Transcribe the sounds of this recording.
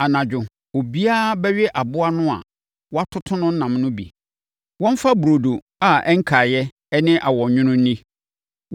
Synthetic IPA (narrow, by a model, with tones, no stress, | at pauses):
a˨nã˨d͡ʑᶣʊ˨ | o˨bi˦a˦bɛ˦ɥɛ˦ʔa˨bʊ˦a˦nʊ̃˦a̰˨ | wɔ˦a˦tʰʊ˦tʰʊ̃˦nʊ̃˦n̩˦nã˨mnʊ̃˦bḭ˨ | wɔ̃˦m˦fa˦bu˨ɾo˨do˨ | a˨ɛ˦ŋ̩˦kʰa˨jɛ˦ | ɛ˦nɪ̃˦ʔa˨wɔ̃˨ɲʊ̃˦nʊ̃˦n̩˦nĩ˦